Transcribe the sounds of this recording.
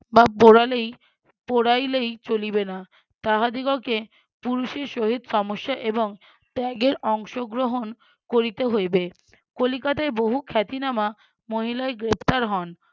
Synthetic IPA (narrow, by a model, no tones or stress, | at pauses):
bapoɾalej | poɽajlejt͡ɕolibena | t̪aɦad̪iɡoke | puɾuʃeɾʃoɦid̪ʃɔmoʃːaʔeboŋ | ʈɛɡeɾɔŋʃoɡɾoɦon | koɾit̪eɦojbe | kolikat̪aeboɦukʰɛt̪inama | moɦilaeɡɾept̪aɾɦɔn